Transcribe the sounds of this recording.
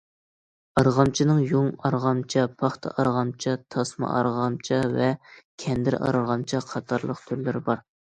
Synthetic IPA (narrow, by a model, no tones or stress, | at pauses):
ɑɾʁɑmt͡ʃʰinɨŋjoŋɑɾʁɑmt͡ʃʰɑpʰɑχt̪ʰɑ̰ʔɑɾʁɑmt͡ʃʰɑt̪ʰɑsmɑ̰ʔɑ̰ɾʁɑmt͡ʃʰɑvɛkʲʰɛnd̪ɪɾɑ̰ɾʁɑmt͡ʃʰɑqʰɑt̪ʰɑɾlˠəqt̪ʰyɾlɪɾɪbɑɾ